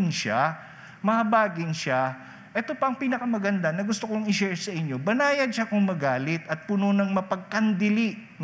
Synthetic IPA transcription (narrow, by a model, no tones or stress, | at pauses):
nʃa | mɐhɐbaːɡɪnʃa | ʔɛt̪o̞pɐɐŋpiːnɐkɐmɐɡɐnd̪anɐɡʊst̪okoŋɪʃɛɹsɐʔɪɲːo̞bɐnaːjɐd̪̚ʃakʊŋmɐɡaːlɪt̪ɐt̪̚pʊnonɐŋmɐpɐɡ̚kɐnd̪ɪlɪ